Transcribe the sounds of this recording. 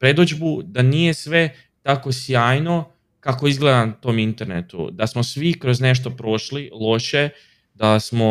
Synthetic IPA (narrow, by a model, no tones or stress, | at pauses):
pɾe̞d̪od͡ʒbud̪anije̞sʋe̞ | t̪ako̞sjaːjno̞ | kako̞izɡle̞d̪ant̪o̞ːmint̪e̞ɾnḛt̪ṵd̪asmosʋikɾo̞zne̞ʃ̬t̪o̞pɾo̞ʃlilˠo̞ʃe̞ | d̪asmo̞